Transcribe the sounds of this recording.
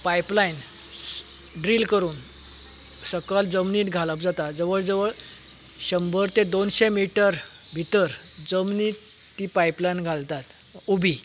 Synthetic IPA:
pajplain | ɖɾiːlkəɾuːn | səkəld͡zəmniːt̪ɡʱaləp̚d͡zat̪ad͡zəʋəɭd͡zəʋəɭ | ɕəmbəɾt̪ẽd̪onɕemiʈəɾ | bʱit̪əɾd͡zəmniːt̪ː | ipajplajnɡʱalt̪at̪ | ubʱi

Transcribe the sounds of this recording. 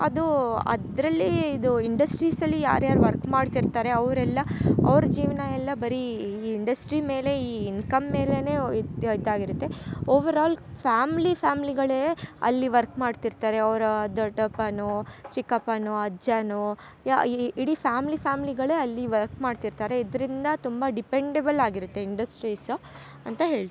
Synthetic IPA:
ɐ̰d̪uɐ̰d̪ɾɐlːiːd̪uiɳɖɐsʈɾiːsɐlːija̰ːɾjaːɾuʋɐɾkmaːɖt̪iɾt̪aːɾe̞ɐʋɾɛlːɐɐ̰ʋɾɐd͡ʒiːʋnɐɛlːɐbɐɾiːɳɖɐsʈɾime̞ːle̞iːnkɐmːe̞ːle̞ne̞ːid̪ːaːɡiɾut̪ːe̞oːʋɐɾaːlfaːmlipʰaːmiliɡɐɭeɐ̰lːiʋɐɾkmaːɖt̪iɾt̪aːɾe̞ɐʋɾɐd̪ɐʈɐpːɐnut͡ʃikːɐpːɐnuɐd͡ʒɐnu | iɽifʰaːmlipaːmiliɡɐɭeɐlːiʋɐɾkmaːɖt̪iɾt̪aːɾe̞id̪ɐɾind̪ɐt̪umbɐɖipeɳɖebɐlaːɡiɾut̪ːe̞iɳɖɐsʈɾiːs | ɐnt̪ɐɦeːɭt̪

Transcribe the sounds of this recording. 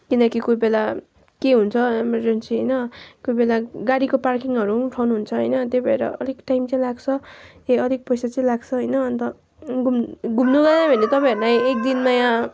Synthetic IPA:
kinʌkikujbela | keɦunt͡sʰʌemʌrd͡zensiɦʌjnʌkujbelaɡaɽikoparkiŋʌɾuʈʰawnuɦunt͡sʰʌɦʌ̰jnʌt̪jebʱʌḛɾʌ̰ʔʌlikʈajmt͡sʌĩlaɡt͡sʰʌt̪eʌlik̚pʌjsat͡sʌ̃ĩlaɡt͡sʰʌɦʌjnʌːnt̪ʌ | ɡumɡʱumnuɡʌd̪ãbʱʌnet̪ʌpãʌɾnajek̚d̪inmajã

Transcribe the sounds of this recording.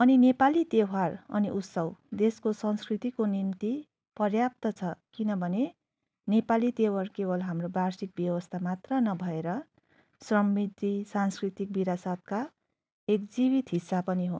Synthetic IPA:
ʌninepalit̪eɦarʌ̰niʔut̪sʌwd̪eskosʌnskrit̪ikonimt̪i | pʌrjap̚t̪ʌt͡sʰʌkinʌbʱʌne | nepalit̪eɦarkebʌlɦamrobarsik̚bjʌwʌst̪ʰamat̪rʌnʌbʱʌeɾʌ | srʌmːid̪risanskrit̪ik̚biɾasat̪̚ka | ekd͡zibit̪ɦisːapʌniɦo̰

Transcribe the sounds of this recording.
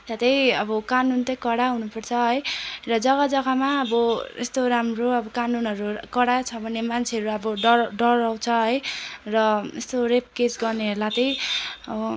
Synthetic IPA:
t̪at̪ʌjʌbʌkanunt̪ʌjkʌɽaɦunupʌrt͡sʰʌɦʌjrʌd͡zʌɡad͡zʌɡamaʌbʌḛst̪oɾamroʌbʌkanunʌɾukʌɽat͡sʰʌbʱʌnemant͡sʰeʌɾuʌbʌɖʌɖʌaw̃t͡sʰʌɦʌjrʌest̪orep̚kesɡʌrneɦʌɾulat̪ʌjʌ̰bʌ

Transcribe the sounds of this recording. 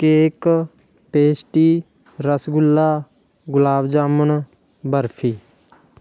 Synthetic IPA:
keːk | peːsʈiː | ɾəsɡʊlːaː | ɡʊlaːbd͡ʒaːmən | bəɾpʰiː

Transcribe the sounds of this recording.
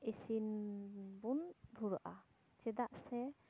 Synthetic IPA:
isin | bund̪ʱuɾʔa̰ | t͡ʃɛd̪aʔsɛ

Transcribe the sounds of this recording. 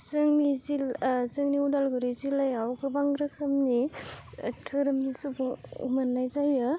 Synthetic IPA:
zɯŋnizilzɯŋniudalɡuɾizilajawɡɯbaŋɾɯkʰɯmni | tʰɯɾɯmnisubuŋṵmanːajzajɯ

